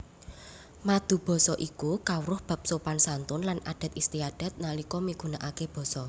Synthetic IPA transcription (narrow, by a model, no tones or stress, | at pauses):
mad̪̥ṳb̥ɔ̤sɔʔikukawɾʊhb̥a̤p̚sopansant̪ʊnlanʔa̰ɖ̥a̤t̪ist̪iaɖ̥a̤t̪̚nalikɔmiɡ̥ṳnaʔakeb̥ɔ̤sɔ